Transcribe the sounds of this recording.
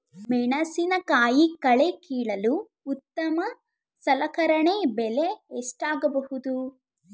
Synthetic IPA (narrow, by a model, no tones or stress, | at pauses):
mɛːɳɐsinɐkaːjikɐɭekiːɭɐluː | t̪ːɐmɐ | sɐlɐkɐɾɐɳebeleːʂʈaːɡɐbɐhud̪u